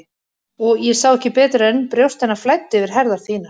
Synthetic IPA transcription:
ɔɣjɛsawɛhcɪpɛːt̪ɾaʏnpɾjowst̪ɛnːaflajt̪ːʏvɪɾ̥ɦɛɾðaɾ̥θiːna

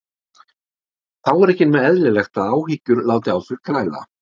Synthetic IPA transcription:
θawɛɾɛhcɪnmɛðɛðlɪlɛxt̪aðaːwɦicːʏɾlaːwt̪ɪawθʏɾ̥kʰɾaːjla̰

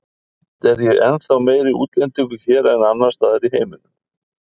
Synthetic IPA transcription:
t̪ɛɾjɛɣɛnθawmeːjɾɪuːt̪lɛnt̪iŋkʏçɛːɾɛnanːḁst̪aːðɪɾiɦeːjmɪnʏm

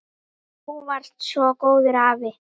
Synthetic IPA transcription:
huvaɾ̥t̪sɔkoːwðɪɾaːvɪ

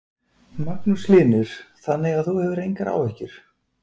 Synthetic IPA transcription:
maknʏslɪːnɪɾ̥θanːɛɣaðθuhɛvʏɾejŋkaɾa̰ːwɛhcɪɾ̥

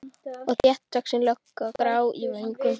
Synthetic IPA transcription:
ɔɣθjɛht̪ːaksinlœkːaɔkɾaːwivejŋkʏm

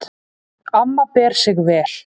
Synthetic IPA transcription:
amːapɛːɾ̥sɪɣvɛːl̥

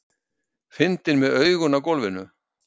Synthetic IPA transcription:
fɪnt̪ɪnmɛðœɥɣʏnakɔlvɪnʏ

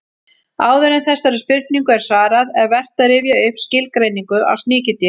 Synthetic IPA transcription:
aːwðɛɾɪnθɛsːaɾɪspɪr̥kniŋkʏɛɾ̥saːɾaðɛðvɛr̥t̪aɾɪvjaʏhpscɪlkɾejniŋkʏʔa̰wst̪nɪːcɪt̪ɪ

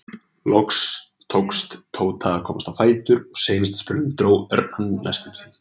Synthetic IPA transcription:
lɔks | t̪ʰowkst̪t̪ʰoːwt̪ʰaːakʰɔːmast̪awfaːjt̪ʏɾɔɣseːjnɪst̪spʏɾnʏt̪ɾoːwɛ̰ɾanːla̰st̪ɪɪ

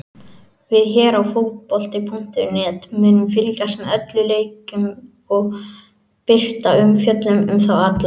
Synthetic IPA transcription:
vɪðçɛːɾawfot̪̚pɔl̥t̪ɪpʰʊn̥t̪ɪɾʏnɛːt̪mɛːnʏmfɪlcast̪mɛðœt̪lʏleːjkʏm | ɔɣ | pɪr̥t̪aʏmfjœt̪lʏmʏmθawat̪la

